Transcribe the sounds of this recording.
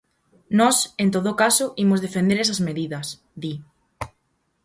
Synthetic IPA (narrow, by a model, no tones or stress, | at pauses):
nɔsẽnt̪̬oðokasoʔimozðefend̪eɾesɐzmeðiðɐs | d̪i